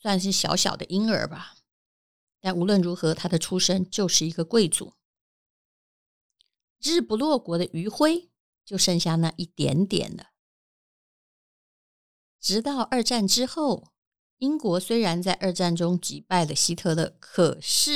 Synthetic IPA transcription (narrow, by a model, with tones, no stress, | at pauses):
swa˥˧nʂ̬ɻ̩˥˩ɕjɑ̰˧˥ʊɕjɑ̰˨˩ʊd̪ə̰˦ʔi˥ŋə̰˞˧˥bɐ˧ | t̪a˥˩nu˧˥lwə˥˩nɻu˧˥xɤ˧˥t̪ʰa˥d̪ə˨ʈ͡ʂʰu˥ʂə˥ŋt͡ɕjo˥˧ʊʂɻ̩˥˩i˧˥ɡə˧kwe˥˩ɪt͡sṵ˨˩˦ | ɻɻ̩˥˩pu˧˥lwɔ˥˩kwɔ˧˥ɾə˧ʔy˧˥xwe˥ɪ | t͡ɕjo˥˧ʊʂɤ˥˧ŋɕja˥˧na˥˧ʔi˥˩t̪jɛ̰˧˥nt̪jɛ̰˨˩nd̪ə˦ | ʈ͡ʂɻ̩˧˥t̪ɑ˥˧ʊʔə˞˥˧ʈ͡ʂa˥˩nʈ͡ʂɻ̩˥xo˥˩ʊ | i˥ŋkwɔ˧˥swe˥ɪɻa˧˥nt͡sa˥˧ɪʔə˞˥˧ʈ͡ʂa˥˩nʈ͡ʂʊ˥ŋt͡ɕi˨˩pa˥˩ɪlə˩ɕi˥t̪ʰɤ˥˩d̪ə̰˧kʰɤ˨˩ʂɻ̩˥˩